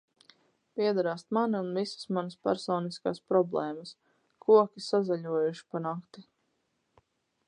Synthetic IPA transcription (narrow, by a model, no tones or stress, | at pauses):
piɛd̪aɾaːst̪maniunvisə̥smanəspæ̰ɾsɔːniskaːspɾɔblˠɛːmɐs | kʰuɔkʲisazaʎuɔjuʃi̥panakt̪i